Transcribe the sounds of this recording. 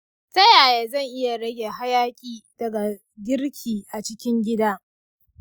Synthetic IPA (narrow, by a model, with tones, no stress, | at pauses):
sɐ˦jaː˨jaː˨zɐ˦˨ŋʔɪ˦ja˨ɽɐ˦ɡʲeː˨ɦa˦jaː˦kʲʼiː˦d̥ɐ˨ɡa˨ | ɡʲɪ˦rkʲʰiː˨ʔa˨t͡ʃɪ˦kʲɪ˦ŋɡʲɪ˦daː˦